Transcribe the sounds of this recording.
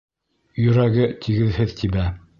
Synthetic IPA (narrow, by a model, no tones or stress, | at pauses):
jɵ̆ɾæɡɘt̪ʰiɡɘðhɘðt̪ʰibæ